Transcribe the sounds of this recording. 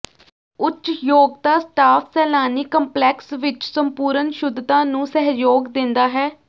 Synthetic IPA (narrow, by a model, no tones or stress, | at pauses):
ʊtt͡ʃt͡ʃjoːɡt̪aːsʈaːpʰsɛːlaːniːkəmplɛːksʋɪt͡ʃsəmpuːɾənʃʊd̪t̪ãːnũːsəɦjoːɡd̪ɪ̃nd̪aːɦɛː